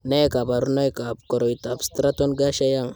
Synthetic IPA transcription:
ne˦ka˨ba˨ɾu˦no˦jka˨p̚ko˨ɾo˨jt̪a˨bst̪ɾa˦t̪o˦nɡa˦ʃa˦ja˦˨ŋ

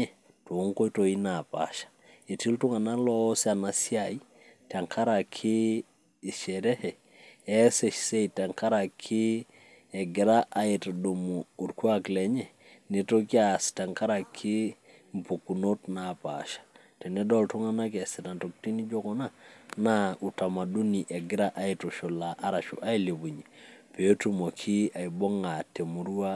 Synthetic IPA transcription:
ɛ˨ | to˨˦ŋko˦to˨i˦na˨pa̰˨ʃḁ˨ | e˨ti˦ltu˦ŋa˨na˦lɔ˦sa˨na˨sja˨i˦ | ta˨ŋkʰa˦ɾa˨kʰiː˦˨ | ʃɛ˨ɾɛ˦hɛ˨ | ɛ˦sɛ˨ʃse˦ita˨ŋka˦ɾa˨kʰːi˦ | ɛ˨ɡɪ˨ɾa˦ʔa˨e˨tado˨muː˨ɾku˦a˨klɛ˨ɲɛ˨ | ne˨to˦ka˨sta˨ŋka˦ɾa˨kʰːi˦ | mpu˨ku˨no˦tnapa̰ʃḁ˨ | tɛ˨nɛ˦dɔ˦ltu˦ŋa˦na˦k̬ɛ˨si˨ta˨ntok̚ti˦ni˦d͡ʒɔ˦kɔ˦na˦na˦u˨ta˨ma˨du˦ni˨ʔɛ˨ɡɪ˦ɾa˦ʔa˦itoʃo˨la˨ʔa˦ɾa˨ʃṵ˨ʔa˦i˦le˨bu˨ɲi˨pe˨o˦tu˨mo˨kʰi˦a˨jbɔ˦ŋa˨te˨mu˨ɾu˦a˦

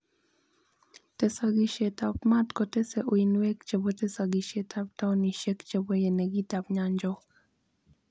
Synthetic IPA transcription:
tɛ˨saɡiʃe˨tap̚ma˦tkɔtɛ˦sɛ˨ʔu˨inwɛ˦kt͡ʃe˨bo˦tɛ˦sa˨ɡi˨ʃetap̚ta˦wni˨ʃe˦kt͡ʃebo˦je˨nɛɡi˦tapɲaɲd͡ʒɔ˦k

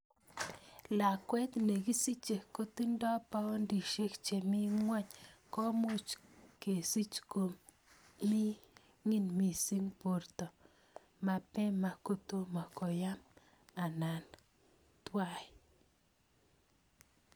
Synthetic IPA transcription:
la˨kwe˦t̪ne˨ɡi˦si˦t͡ʃe˨ko˦t̪i˦ndo˦pa˦ndi˨ʃi˦kt͡ʃe˨mi˦ŋwa˦ɲko˦mu˦t͡ʃke˨si˦t͡ʃko˨ | mi˦ | ŋi˦nmi˨si˦ŋpo˨ɾt̪o˨ | ma˨pe˦ma˨ko˦t̪u˦ma˨ko˨ja˦m | a˨na˨n | t̪wa˦˨j

